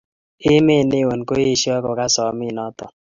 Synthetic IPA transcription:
ɪ˦me˦˨ne˦˨wo˨nko˦e˦ʃjɔ˦ko˨ka˦sɔ˨mɪ˦˨nɔ˦tɔ˨

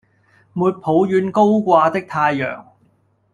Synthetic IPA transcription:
muː˨t̚pʰo˨˥wjyː˨˧nko˥wkʷaː˧t̪ɪ˥k̚t̪ʰaː˧jːœ̰ː˨˩ŋ

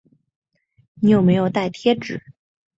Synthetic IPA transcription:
ni˧˥jo˨˩ʊme˧˥ɪjo˨˩ʊt̪a˥˩ɪt̪ʰjɛ˥ʈ͡ʂɻ̩˨˩˦

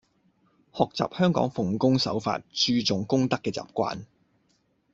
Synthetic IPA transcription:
hɔː˨k̚t͡sa̰ː˨p̚hœː˥ŋkɔ̰ː˨˥ŋfʊ˨ŋkʊ˥ŋsɐ̰˨˥wfa̰ː˧t̚t͡ʃyː˧t͡sʊ˨ŋkʊ˥ŋt̪ɐ˥kːɛː˧t͡sa̰ː˨p̚kʷa̰ː˧n

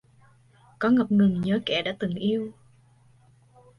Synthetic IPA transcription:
kɔ˨˦ŋə˨˩p̚ŋɨ˨˩ŋɲəː˨˦kɛ˧˩ɗa̰ː˧˥t̪ɨ˨˩ŋʔi˧əw

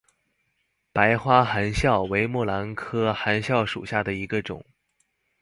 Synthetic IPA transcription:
pa˧˥ɪxwa˥xa˧˥nɕjɑ˥˩ʊwe˧˥ɪmwɔ˥˩la˧˥nkʰɤ˥xa˧˥nɕjɑ˥˩ʊʂṵ˨˩ɕja˥˩d̪ə˩i˧˥ɡə˧ʈ͡ʂʊ̰˨˩˦ŋ

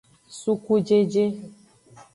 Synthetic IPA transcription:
su˦ku˦d͡ʒe˦d͡ʒe˦

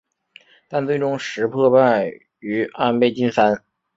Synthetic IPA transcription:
t̪a˥˧nt͡swe˥˩ɪʈ͡ʂʊ˥ŋʂɻ̩˧˥pʰɤ˥˧pa˥˩n | y˧˥a˥npe˥˩ɪt͡ɕi˥nsa˥n

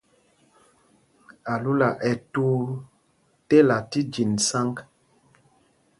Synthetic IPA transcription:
a˨lu˦la˨ʔɛ˨tu˦ | te˦la˨ti˦d͡ʒi˨nsa˦ŋk

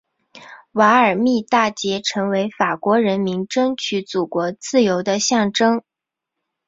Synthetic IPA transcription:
wa˧˥ə˞˨˩mi˥˧t̪a˥˩t͡ɕjɛ˧˥ʈ͡ʂʰɤ˧˥ŋwe˧˥ɪfa˨˩kwɔ˧˥ɻə˧˥nmi˧˥ŋʈ͡ʂɤ˥ŋt͡ɕʰy˧˥t͡su˨˩kwɔ˧˥t͡sɹ̩˥˩jo˧˥ʊd̪ə˧ɕjɑ˥˩ŋʈ͡ʂɤ˥ŋ

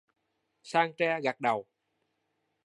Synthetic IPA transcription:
saː˧ŋt͡ɕɛ˧ɣa˨˩k̚ɗə˨˩w

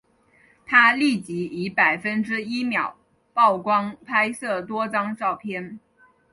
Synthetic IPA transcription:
t̪ʰa˥li˥˩t͡ɕi˧˥i˧˥pa˨˩ɪfə˥nʈ͡ʂɻ̩˥i˥mjɑ˨˩˦ʊ | pɑ˥˩ʊkwɑ˥ŋpʰa˥ɪsɤ˥˩t̪wɔ˥t͡sɑ˥ŋʈ͡ʂɑ˥˩ʊpʰjɛ˥n

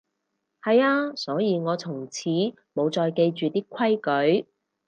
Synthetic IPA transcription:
hɐ˨jaː˧sɔː˨˥jiː˨˧ŋɔː˨˧t͡sʰʊ˨˩ŋt͡sʰiː˨˥ | mo˨˧wt͡sɔː˨jke˧jt͡ʃyː˨t̪iː˥kʷʰɐ˥jkɵ˨˥ɥ

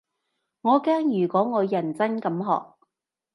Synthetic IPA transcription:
ŋɔː˨˧kɛː˥ŋjyː˨˩kɔː˨˥ŋɔː˨˧jɐ˨˩nt͡sɐ˥nkɐ˨˥mɦɔ̰ː˨k̚

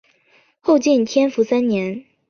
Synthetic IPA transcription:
xo˥˧ʊt͡ɕi˥˩nt̪ʰjɛ˥nfu˧˥sa˥nnjɛ˧˥n

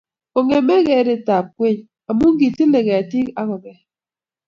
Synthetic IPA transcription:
o˨ŋe˨me˦ɣe˨˦de˨ta˨p̚kwe˦˨ɲ | a˨mu˦ŋ̩˦ɡi˨ti˦le˨ɣe˨a˨ti˦ka˦ɣɔ˨be˨

